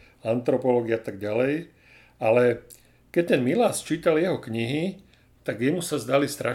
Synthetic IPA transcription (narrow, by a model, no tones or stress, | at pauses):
ant̪ɾɔpɔlɔːɡiaat̪aɡɟalɛj | alɛ | kɛc̚t̪ɛnmilaːst͡ʃiːt̪aljɛɦɔkɲiɦi | t̪aɡjɛmusazd̪alist̪ɾa